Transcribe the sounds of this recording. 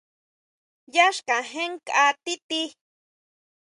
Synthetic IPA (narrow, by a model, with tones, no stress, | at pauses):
ja˦ʃka˨ɦe˦ŋka˦t̪i˦t̪i˦